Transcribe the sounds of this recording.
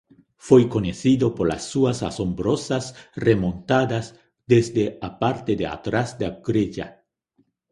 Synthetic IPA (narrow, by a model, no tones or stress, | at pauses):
fwejkoɲeθiðopoɾla̰sːuasasombɾosasremõnt̪ad̪az | d̪ezd̪eapaɾt̪ed̪ea̰t̪ɾazd̪aɡɾeʝa̰